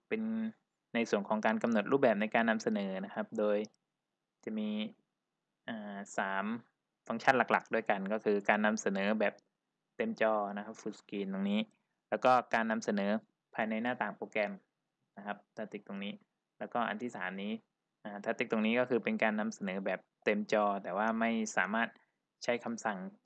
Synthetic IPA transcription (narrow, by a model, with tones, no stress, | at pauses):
pe˧nː | a˧jsu˨˩ənkʰɔː˩˦ŋkaː˧nka˧mn˨˩t̪̚ɾuː˥˩p̚bɛː˨˩p̚na˧jkaː˧nːa˧msa˧nɤː˩˦na˦˧kʰa˦˥p̚doː˧j | t͡ɕa˨˩miː˧ | ʔaː˨˩saː˩˦m | fa˧ŋt͡ɕʰa˥˩nla˨˩k̚la̰˨˩k̚du˥˩əjka˧nkɔː˥˩kʰɯː˧kaː˧nːa˧msa˧nɤː˩˦bɛː˨˩p̚ | t̪e˧mt͡ɕɔː˧na˦˥kʰa˦˥p̚fu˨˩skiː˧nt̪o˧ŋniː˦˥ | lɛː˦˥wkɔː˥˩kaː˧nːa˧msa˧nɤː˩˦ | pʰaː˧jna˧jnaː˥˩t̪aː˨˩ŋpoː˧kɛː˧m | na˦˥kʰa˦˥p̚t̪ʰaː˧˩t̪i˨˩k̚t̪o˧ŋniː˦˥ | lɛː˦˥wkɔː˥˩ʔa̰˧nt̪ʰiː˥˩saː˩˦mniː˦˥ | ʔaː˨˩t̪ʰa˧˩t̪i˨˩t̪o˧ŋniː˦˥kɔː˥˩kʰɯː˧pe˧nkaː˧nːa˧msa˧nɤː˩˦bɛː˨˩p̚t̪e˧mt͡ɕɔː˧t̪ɛː˨˩waː˥˩ma˥˩jsa̰ː˩˦maː˥˩t̪̚ | t͡ɕʰa˦˥jkʰa˧msa˨˩ŋ